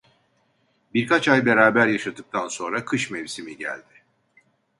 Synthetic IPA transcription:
biɾkat͡ʃajbe̞ɾaːbæɾjaʃad̪ɯk̚t̪ʰanso̞nɾakʰɯʃmevsimiɟæ̰lʲd̪̥ɪ

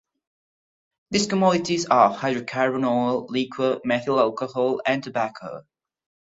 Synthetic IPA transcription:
ðiskəmɔɾɪtizəhaɪdɹəkʰaɹənɔɪlˠliˑkʰwəmɛθəlalˠkəhɔlˠə̃ntʰəbakʰoʊ

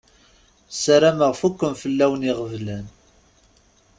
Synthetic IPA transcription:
səɾaməʁfukʷːəmfəlːæwəniʁəvlæn

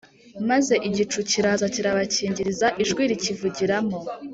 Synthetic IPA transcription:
maze̞ʔiɟit͡ʃuciɾaːzaciɾaβaciːɲɟiɾizaʔiʒɡwiːɾicivuɟiɾamo

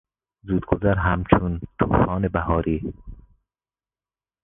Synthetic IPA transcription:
zuːd̪̚ɡo̰zæɾɦæmt͡ʃʰunt̪ʰṵːfɒːnebæhɒːɾiː

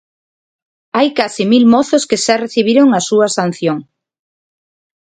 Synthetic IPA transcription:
ajkasimilmɔθoskeʃareθiβiɾoŋasuɐsan̟θjoŋ

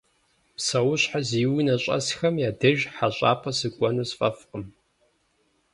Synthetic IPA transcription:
psɐwʊɕħaziːwinɐɕʼɐ̰sxɐmjaːdɐʒħaɕʼa̰ːpʰɐsɨkʷʼɔnusfʼɐfqəm

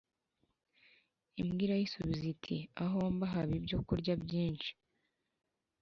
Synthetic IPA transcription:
imɡiːɾajisuβizitʰiaɦo̞ːmbaɦaβibɟo̞kuɾɟabɟiːnʃi̥

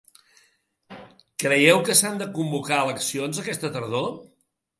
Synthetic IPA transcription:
kɾəjɛwkəsand̪əkumbukaələksionzəkɛst̪ət̪əɾð̞o

